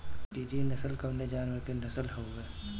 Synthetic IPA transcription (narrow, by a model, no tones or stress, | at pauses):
piːd͡ʒinɐsəlkɐʋned͡ʒaːnwəɾkenɐsəlɦoːɡeː